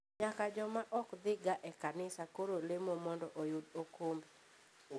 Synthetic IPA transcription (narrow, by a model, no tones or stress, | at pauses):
ɲakad͡ʒɔmaʔɔkd̪ɪɡaʔɛkanɪsakoɾolɪmomɔndɔʔojʊdokombe